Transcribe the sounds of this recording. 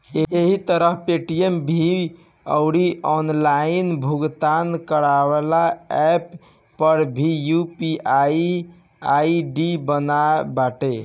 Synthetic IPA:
eeɦit̪əɾəɦpeʈiembʱi | ə̰ʊɾiʔɔnlainbʱuɡt̪ankəɾaʋelaɛpː | əɾbʱijupiai | aiɖibənaebaʈe

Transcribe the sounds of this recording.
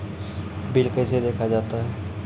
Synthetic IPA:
bɪlkəɪsed̪eːkʰad͡ʒaːt̪aɦɛː

